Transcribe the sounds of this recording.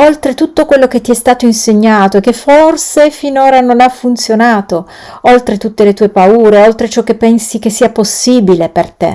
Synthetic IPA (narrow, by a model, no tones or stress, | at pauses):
olt̪ɾet̪ut̪ːokwelːok̟et̪ːiɛst̪aːt̪oinseɲːaːt̪oekːeforsefinoːɾanonafunt̪sjonaːt̪o | olt̪ɾet̪ut̪ːelet̪uːepauːɾeolt̪ɾet͡ʃɔk̟ːepːɛnsik̟esːiːaposːiːbilepert̪ḛ